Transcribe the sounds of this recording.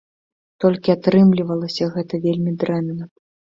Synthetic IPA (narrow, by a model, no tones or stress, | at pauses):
t̪ɔlʲkʲiat̪ɾɨmlʲivɐlˠɐsʲɐɣɛt̪ɐvʲelʲmʲid̪ɾɛmʲnɐ